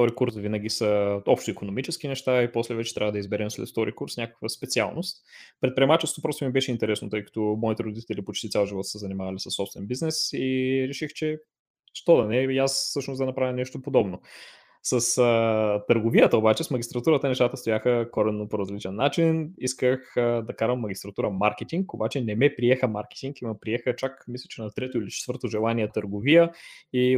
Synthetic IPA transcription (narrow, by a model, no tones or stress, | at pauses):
t̪ɔɾikuɾsvinəɡ̟ʲisəɔpʃt̪oikonomit͡ʃɛsk̟inɛʃt̪aipɔslɛvɛt͡ʃɛ̥t̪ɾʲavəd̪əizbɛɾɛmslɛ̰t̪ft̪ɔɾikuɾsnʲakə̥kvəspɛt̪sia̰lˠnost̪̚pɾɛt̪̚pɾiɛmat͡ʃɛsot̪opɾɔst̪omibɛʃɛint̪ɛɾɛsnot̪ɤjkɐ̥t̪ɔmɔit̪ɛɾod̪it̪ɛlipot͡ʃt̪itsʲalˠʒivɔt̪səzɐnimavɐlisəsːɔpst̪vɛnbiznɛsiɾɛʃixt͡ʃɛ | ʃt̪ɔd̪ɐnɛiasfsɤʃnosd̪ɐnɐpɾavʲjənɛʃt̪opod̪ɔbno | səst̪əɾɡovijət̪əobat͡ʃɛsmɐɡʲist̪ɾɐt̪uɾət̪ənɛʃt̪at̪əst̪ojaxəkɔɾɛnːopoɾɐzlit͡ʃɛnːat͡ʃiniskəxd̪ɐkaɾəmːɐɡʲist̪ɾɐt̪uɾəmaɾkɛt̪iŋkobat͡ʃɛnɛmɛpɾiɛxəmaɾkɛ̥t̪iŋkimɐpɾiɛxət͡ʃakmislʲɛt͡ʃɛnɐt̪ɾɛt̪oilit͡ʃɛt̪vɤɾt̪oʒɛlˠaniɛt̪əɾɡovijəi